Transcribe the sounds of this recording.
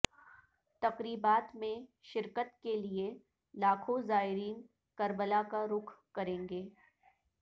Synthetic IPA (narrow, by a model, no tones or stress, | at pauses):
t̪ɐqɾiːbaːt̪mẽʃɪɾkət̪kelie | laːkʰozaːɪɾiːn | kɐɾbəlakaɾʊkʰkɐɾẽːŋɡeː